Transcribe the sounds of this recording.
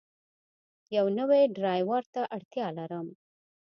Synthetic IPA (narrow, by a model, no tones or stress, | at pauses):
jawnəweɖɾɑjwaɾt̪aʔaɽt̪jɑlaɾəm